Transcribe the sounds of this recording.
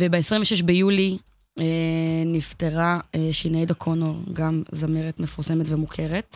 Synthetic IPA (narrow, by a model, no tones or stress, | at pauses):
vebeesʁĩɱveʃeʃbejuli | enifteʁaeʃinejd̪akʰonoʁɡamzameʁetme̞fuʁse̞metvemukʰe̞ʁet̪